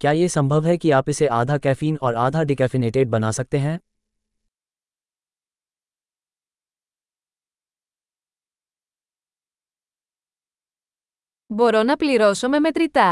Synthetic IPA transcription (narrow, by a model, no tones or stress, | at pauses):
kjaːjesɐ̃mbʱəʋɦɛkiaːpɪseʔaːd̪ʱakɛːfiːnɔːɾaːd̪ʱaɖɪkɛːfɪneːʈeːɖ̚bɐnasɐk̚t̪eɦɛ̃ː | boːɾoːnapliɾoːsõmẽmet̪ɾit̪aː